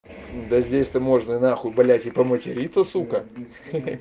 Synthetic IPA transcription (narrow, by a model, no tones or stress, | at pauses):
d̪əzʲdʲesʲt̪əmo̞ʐnəɪnaxʊbɐlʲætʲɪpəmətʲɪɾʲit̪əsukə